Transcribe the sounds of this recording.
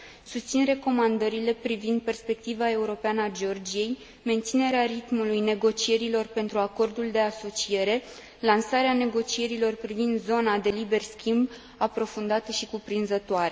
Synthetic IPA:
sust̪sinre̞ko̞mand̪əɾile̞pɾivind̪̚pe̞rspe̞k̚t̪ivae̞uɾo̞peanəad͡ʒeo̞rd͡ʒije̞j | me̞nt̪sine̞ɾeaɾit̪mulujne̞ɡo̞t͡ʃie̞ɾilo̞rpe̞nt̪ɾuako̞rd̪uld̪e̞aso̞t͡ʃije̞ɾe̞ | lansaɾeane̞ɡo̞t͡ʃie̞ɾilo̞rpɾivind̪zo̞nad̪e̞libe̞rskʲimb | apɾo̞fund̪at̪əʃikupɾinzət̪oaɾe̞

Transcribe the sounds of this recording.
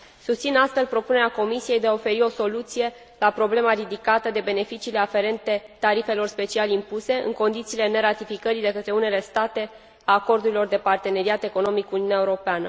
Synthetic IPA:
sust̪sinast̪fe̞lpɾo̞pune̞ɾeako̞misije̞jd̪e̞aofe̞ɾio̞so̞lut̪sije̞ | lapɾo̞ble̞maɾid̪ikat̪əd̪e̞be̞ne̞fit͡ʃiːle̞afe̞ɾe̞nt̪e̞t̪aɾife̞lo̞rspe̞t͡ʃialimpuse̞ɨ̰ŋko̞nd̪it̪siːle̞ne̞ɾat̪ifikəɾid̪e̞kət̪ɾe̞une̞le̞st̪at̪e̞ | aːko̞rd̪uɾilo̞rd̪e̞part̪e̞ne̞ɾiat̪e̞ko̞no̞mikːuniuneaeuɾo̞peanə

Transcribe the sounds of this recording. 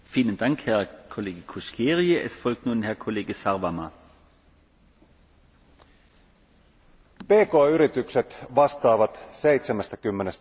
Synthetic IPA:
fiːlənd̥aŋkhɛɐkʰoleːɡəkʰuskʰeːʁiəʔḛsfɔlk̚tnuːnhɛɐkʰoleːɡəsaʁvama | peːkoːyɾit̪ykset̪ʋɑst̪ɑːʋɑt̪sejt̪semest̪ækymːenes

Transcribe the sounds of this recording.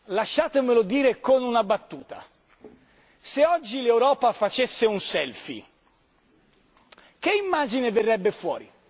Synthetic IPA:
laʃːaːt̪emelod̪iːɾekonunabat̪ːuːt̪a̰ | seɔd͡ʒːilewɾɔːpafat͡ʃesːeunsɛlfḭ | keimːaːd͡ʒineverːɛbːefwɔːɾi

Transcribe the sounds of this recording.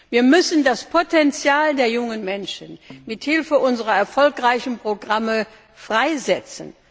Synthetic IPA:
viːɐmʏsn̩daspʰotɛnt͡sjaːldeːɐjʊŋənmɛnʃənmɪthɪlfəʔʊnzəʁɐɛɐfɔlkʁaɪçn̩pʁ̥oɡʁamə | fʁ̥aɪzɛt͡sən

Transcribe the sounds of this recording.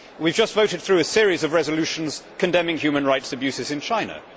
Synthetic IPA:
wivd͡ʒʌstvəʊɾɪd̪̚θɹʉːəsɪəɹizəvɹɛzəlʉˑʃə̃n̩z̥kʰə̃ndɛ̃mɪ̃ŋjʉːmə̃nɹaɪtsəbjʉˑsɪzɪ̃nt͡ʃʰãɪ̃nə̰

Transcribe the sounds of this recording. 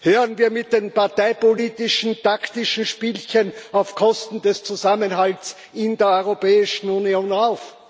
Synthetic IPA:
høːʁənviːɐmɪt̚d̥eːnpaɐtaɪpoliːtɪʃn̩taktɪʃn̩ʃpiːlçənaʊfkʰɔstn̩d̥ɛst͡suzamənɦalts | ɪndeːɐɔʏʁopɛːɪʃn̩unioːnaʊf

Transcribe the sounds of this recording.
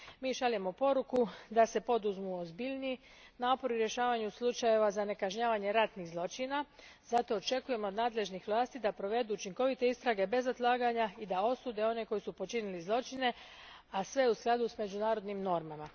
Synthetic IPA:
miːʃalemo̞po̞ɾukud̪ase̞po̞d̪uzmuozbiʎniː | naːpo̞ɾuɾje̞ʃaːʋaɲuslˠut͡ʃaje̞ʋazane̞kaʒɲaːʋaɲe̞ɾat̪niɣzlˠo̞t͡ʃinaz̥at̪o̞ːt͡ʃe̞kuje̞mood̪naːd̪le̞ʒnixʋlˠaːst̪id̪apɾo̞ʋe̞d̪uut͡ʃiŋko̞ʋit̪e̞ist̪ɾaɡe̞be̞zod̪lˠaːɡaɲaid̪ao̞suːd̪e̞o̞ne̞ko̞jisupo̞t͡ʃinilizlˠo̞t͡ʃine̞ | asʋe̞usklˠad̪usme̞d͡ʑunaːɾo̞d̪nimno̞ɾmama

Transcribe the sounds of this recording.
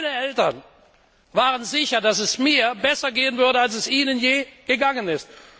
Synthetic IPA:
nəʔɛltɐn | vaːʁənzɪçɐdasɛsmiːɐbɛsɐɡeːənvʏɐɾəals̬ɛsʔiːnənjeːɡ̥əɡaŋənɪst

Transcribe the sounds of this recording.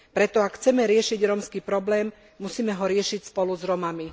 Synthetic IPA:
pɾɛt̪ɔakxt͡sɛmɛɾɪɛʃiɟɾɔmskiːpɾɔblɛːmː | usiːmɛɦɔɾɪɛʃicspɔluzɾɔmami

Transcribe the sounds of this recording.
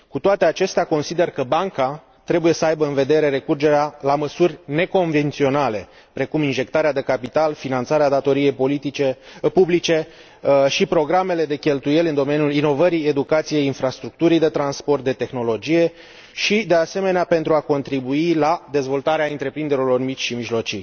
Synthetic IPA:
kut̪oat̪e̞at͡ʃe̞st̪eako̞nsid̪e̞rkəbaŋka | t̪ɾe̞buje̞səajbəɨnve̞d̪e̞ɾe̞ɾe̞kurd͡ʒe̞ɾealaməsurʲne̞ko̞ɱve̞nt̪sio̞nale̞ | pɾe̞kuminʒe̞kt̪aɾead̪e̞kapit̪alfinant̪saɾead̪at̪o̞ɾije̞jpo̞lit̪it͡ʃepublit͡ʃe̞ | ʃipɾo̞ɡɾame̞le̞d̪e̞kʲe̞lt̪uje̞lɨnd̪o̞me̞nʲjulino̞vəɾije̞d̪ukat̪sije̞jinfɾast̪ɾuk̚t̪uɾijd̪e̞t̪ɾanspo̞rt̪̚d̪e̞t̪e̞xno̞lo̞d͡ʒije̞ | ʃid̪e̞ase̞me̞neape̞nt̪ɾuako̞nt̪ɾibuilad̪e̞zvo̞lt̪aɾeaɨnt̪ɾe̞pɾind̪eɾilo̞rmit͡ʃʲʃimiʒlo̞t͡ʃij

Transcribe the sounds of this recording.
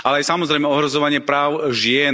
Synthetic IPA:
ʔalɛajsamɔzɾɛjmɛɔɦɾɔzɔʋaɲɪɛpɾaːʊʒɪɛ

